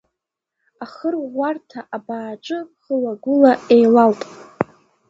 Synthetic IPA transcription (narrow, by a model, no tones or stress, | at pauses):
aχərʷartʰaʔabaːʈ͡ʂʼɨχəlaɡʷʊlaejlaltʼ